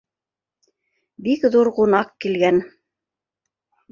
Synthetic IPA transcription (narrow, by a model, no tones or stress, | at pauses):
bikðuɾqunɑqkilɡæn